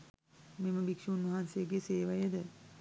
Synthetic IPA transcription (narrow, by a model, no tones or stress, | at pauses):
meməbikʃiunʋɐɦansejəɡeseːʋajəd̪ə